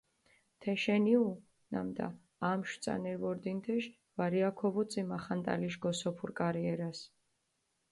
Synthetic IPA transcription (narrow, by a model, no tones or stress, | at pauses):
t̪ʰɛʃɛniu | na̰md̪a̰ː | mʃwt̪sʼa̰nɛɾvɔɾd̪int̪ʰɛʃ | vaɾiakʰɔbut̪sʼimaχant̪ʼa̰liʃɡɔsɔpʰuɾkʼaɾiɛɾas